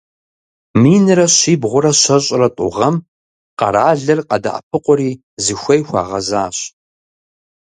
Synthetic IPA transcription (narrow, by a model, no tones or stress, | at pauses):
miːnɨɾɐɕiːbʁʷʊɾɐɕɐɕʼrɐtʼʊ̰ʁɐm | qɐ̰ɾaːɮɐrqɐda̰ʔɐ̰p̚ʰɨqʷʊɾiː | zɨxʷɐjxʷɑ̰ːʁɐzaːɕ